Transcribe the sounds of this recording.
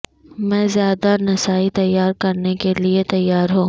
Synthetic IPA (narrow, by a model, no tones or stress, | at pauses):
mɛ̃ːzjaːd̪anɐsaːit̪ɐjːaːɾkɐɾnekeliet̪ɐjːaːɾɦũː